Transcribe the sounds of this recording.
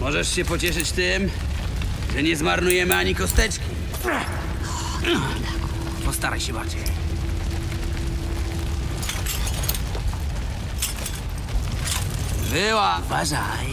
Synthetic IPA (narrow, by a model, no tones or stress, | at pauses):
mɔʐɛʂɕɛpɔt͡ɕɛʂɘt͡ɕt̪ɪm | ʐɛɲɛzmaɾnujɛmɘaɲikɔst̪ɛt͡ʂkʲi | pɔst̪aɾajɕɛbat͡ɕɛj | bɪwavaʐa | j